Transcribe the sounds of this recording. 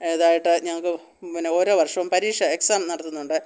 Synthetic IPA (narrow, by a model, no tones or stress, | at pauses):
eðaːjiʈːɨɲɐŋːɐɭkːɨ | inːeo̞ːɾo̞ːʋɐrʂɐʋumpɐɾiːʂɐe̞ksaːmnɐɽɐt̪ːunːuɳɖɨ